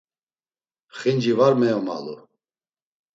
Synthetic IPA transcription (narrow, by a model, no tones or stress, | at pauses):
χind͡ʒivaɾmɛjɔma̰lu